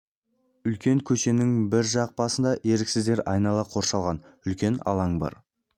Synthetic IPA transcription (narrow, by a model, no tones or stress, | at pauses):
ʏlkʲe̞ŋkʲʰɵʃe̞nɪŋbɪɾʒɑq̚pɑsənd̪ɑʔe̞ɾɪksɪzd̪e̞ɾɑjnɑlˠɑqʰo̞ɾʃɑlˠʁɑnʏlkʲe̞nɑ̰lˠɑŋbɑ̰ɾ